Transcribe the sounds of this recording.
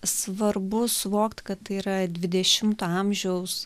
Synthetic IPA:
sʋɐrbʊsʊʋoːkt̪ʲkɐt̪tɐiːɾɐd̪ʲʋʲɪd̪ʲɛʃʲɪmt̪oɐmʲʒʲɛʊs

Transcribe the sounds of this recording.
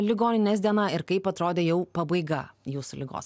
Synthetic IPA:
lʲɪɡoːnʲɪnʲɛːsʲd̪ʲiɛnɑɪɾkɐɪpɐt̪ɾoːd̪ʲeːjɛʊpɐbɐɪɡɐjuːsʊlʲɪɡo̰ːs

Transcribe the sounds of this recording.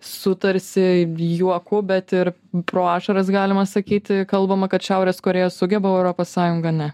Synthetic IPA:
sʊt̪ɐɾʲsʲɪjuɔkʊbʲɛt̪ɪɾ | pɾoːɑːʃɐɾɐsɡɑːlʲɪmɐsɐkʲiːt̪ʲkɐlˠbɐmɐkɐt̪ʃʲɛʊɾʲeːskoːɾʲeːjoːsʊɡʲɛbɐɛʊɾoːpoːssɑːjʊŋɡɐnʲɛ

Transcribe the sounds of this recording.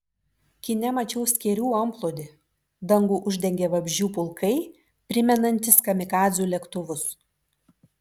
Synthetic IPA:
kʲɪnʲɛmɐt͡ʃʲɛʊsʲkʲɛɾʲuːɐmplˠoːd̪ʲɪ | d̪ɐŋɡuːʔʊʒʲd̪ʲɛŋʲɡʲɛːʋɐbʲʒʲuːpʊlˠkʰɐɪ | pʲɾʲɪmʲɛnɐnʲt̪ʲɪskɐmʲɪkɑːzʲuːlʲɛkt̪ʊʋʊs

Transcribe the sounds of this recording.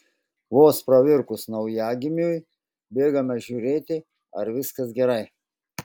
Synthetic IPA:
ʋoːspɾɐʋʲɪɾkʊsnɒʊjæːɡʲɪmʲuːj | bʲeːɡɐmʲɛʒʲuːɾʲeːt̪ʲɪ | ɐɾʋʲɪskɐsɡʲɛɾɐɪ

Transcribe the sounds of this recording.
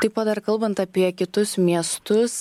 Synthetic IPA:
t̪ipɐd̪ɐɾkɐlˠbɐnt̪ɐpʲiɛkʲɪt̪ʊsmʲiɛst̪ʊs

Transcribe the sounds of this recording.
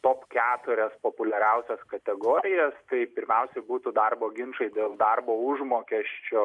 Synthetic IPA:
t̪oːpkʲæːt̪ʊɾʲɛspoːpʊlʲɛɾʲɛʊsʲɛskɐt̪ʲɛɡoːɾʲɪjɛst̪ɐɪpʲɪɾʲmʲɛʊsʲɛɪbuːt̪ʊd̪ɐrboːɡʲɪnʃɐɪd̪ʲeːlˠd̪ɐrboːʊʒmoːkʲɛʃʲt͡ʃʲoː

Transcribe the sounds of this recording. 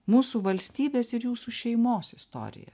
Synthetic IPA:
muːsuːʋɐlʲsʲt̪ʲiːbʲeːsɪɾjuːsuːʃʲɛɪmoːsɪst̪o̰ːɾʲɪ̰jɛ̰

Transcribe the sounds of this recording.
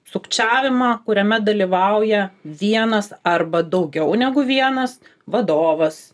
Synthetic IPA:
sʊkt͡ʃʲæːʋʲɪmɑːkʊɾʲɛmʲɛd̪ɐlʲiʋɐʊjɛʋʲiɛnɐsɐrbɐd̪ɐʊɡʲɛʊnʲæɡʊʋʲiɛnɐsʋɐd̪oːʋɐs

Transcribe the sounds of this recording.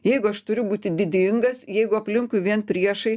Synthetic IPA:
jɛɪɡʊɐʃt̪ʊɾʲʊbuːt̪ʲɪd̪ʲɪd̪ʲɪŋɡɐsjɛɪɡʊɐpʲlʲɪŋkʊɪʋʲiɛnpʲɾʲiɛʃɐɪ

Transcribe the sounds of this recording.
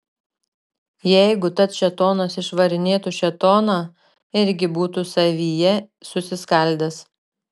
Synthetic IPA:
jɛɪɡʊt̪ɐt̪ʃʲɛt̪oːnɐsɪʃʋɐɾʲɪnʲeːt̪uʃʲɛt̪oːnɑ | ɪɾʲɡʲɪbuːt̪usɐʋʲiːjɛ | sʊsʲɪskɐlʲd̪ʲɛs

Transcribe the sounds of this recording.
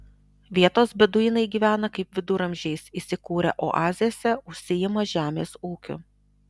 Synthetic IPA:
ʋʲiɛt̪oːsbʲɛd̪ʊjɪnɐɪɡʲiːʋʲæːnɐkɐɪpʲʋʲɪd̪ʊɾɐmʲʒʲɛɪsiːsʲɪkuːɾʲɛ̰ʔo̰ːʔɑːzʲɪjoːsʲɛʊʃʲsʲɪjɪmoʒʲæːmʲeːsuːkʲʊ̰

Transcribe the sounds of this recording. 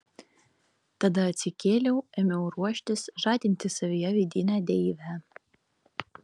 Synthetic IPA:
t̪ɐd̪ɐɐt̪ʲsʲɪkʲeːlʲɛʊɛmʲɛʊɾuɔʃʲt̪ʲɪsʒɑːd̪ʲɪnʲt̪ʲɪsɐʋʲɪjɛʋʲɪd̪ʲiːnʲæd̪ʲɛʋʲæ

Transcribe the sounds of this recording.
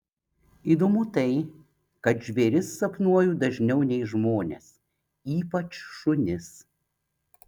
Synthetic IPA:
iːˑd̪omʊt̪ɐɪ | kɐt̪ʒʲʋʲɛɾʲɪsːɐpnuɔjuːd̪ɐʒʲnʲɛʊnʲɛɪʒmoːnʲḛs | iːpɐt͡ʃʃʊnʲɪs

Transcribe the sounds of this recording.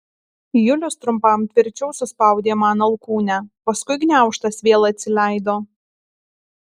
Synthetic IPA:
jʊlʲʊst̪ɾʊmpɐmt̪ʲʋʲɪɾʲt͡ʃʲɛʊsʊspɐˑʊd̪ʲeːmɑːnɐlˠkuːnʲæpɐskʊɪɡnʲæˑʊʃt̪ɐsʋʲeːlˠɐt̪ʲsʲɪlʲæˑɪd̪oː

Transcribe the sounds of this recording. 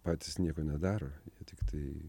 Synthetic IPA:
pɑːt̪ʲɪsnʲiɛkoːnʲɛd̪ɑːɾoːjiɛt̪ʲɪkt̪ɐɪ

